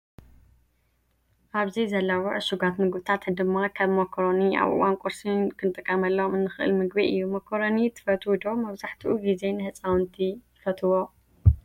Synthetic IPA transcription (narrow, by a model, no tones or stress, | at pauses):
ʔaβzizɐlːawɔʕɨʃuɡat̪mɨɡβt̪ʰat̪d̪ɨmːakʰaβmɐkʰoɾoniʔa̰βʔɨ̰wankʼuɾsɨnkʰɨnt̪ʼɨkʼːɐmɐlːɐmɨnːɨxɨʔɨ̰lmɨɡbiʔɨjːumɐkʰoɾonit̪ʰɨ̥fɐt̪ʰud̪omɐβzaħt̪ʰuʔuɡize̞nɨhɨt͡sʼawnt̪ʰit̪ɨfɐt̪ʰɨwo